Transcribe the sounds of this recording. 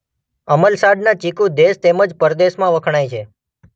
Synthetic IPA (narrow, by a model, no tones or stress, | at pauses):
əməlsaɖnat͡ʃikũd̪eʃt̪eməd͡ʒpəɾd̪eʃmãʋəkʰɽ̃ajt͡ʃʰe